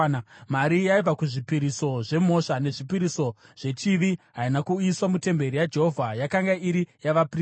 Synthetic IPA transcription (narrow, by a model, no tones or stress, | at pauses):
maɾijaib͡vakuʐipiɾiso̞ʐe̞mo̞ʂane̞ʐipiɾiso̞ʐ̥e̞t͡ʃiʋiɦainakuiswamute̞mbe̞ɾijad͡ʒe̞ɦo̞vʱajakaŋɡaiɾijaʋapri